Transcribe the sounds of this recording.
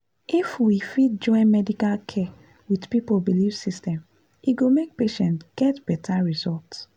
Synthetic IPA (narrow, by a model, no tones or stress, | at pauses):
ʔifwifit̚d͡ʒɔ̃ɪ̃nmɛdikalkʰɛ | widpipolbilifsistɛ̃m | iɡomek̚peʃɛ̃ntɡ̥ɛtb̥ɛtʰaɹizɔlts